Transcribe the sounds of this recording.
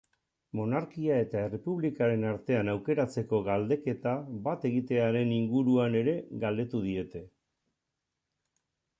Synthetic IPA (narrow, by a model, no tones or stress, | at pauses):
mo̞naɾkiae̞t̪ae̞re̞puβlikaɾe̞naɾt̪e̞anawke̞ɾat͡se̞ko̞ɣald̪e̞ke̞t̪aβat̪e̞ɣit̪e̞aɾe̞niŋɡuɾuane̞ɾe̞ɣald̪e̞t̪uð̞ie̞t̪e̞